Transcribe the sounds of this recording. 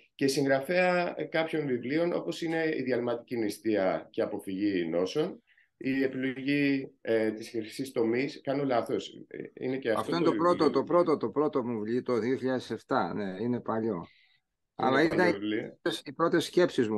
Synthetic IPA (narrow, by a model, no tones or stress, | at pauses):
cesiŋɡɾɐfeɐkɐpço̞ɱvivlio̞no̞̰po̞sine̞ḭðiɐlmɐt̪icinist̪iɐceɐpo̞fiʝino̞so̞n | ie̞pilo̞ʝi | t̪iseçi̥sist̪o̞miskɐno̞lɐθosḭneceɐfɐ̰ft̪oinet̪opɾo̞t̪ot̪o̞pɾo̞t̪ot̪opɾo̞t̪omuvʎit̪o̞ðioçiʎɐðese̞ft̪ɐne̞ine̞pɐʎo̞ | ɐ̰lɐit̪ɐnisipɾo̞t̪e̞sːce̞psizmu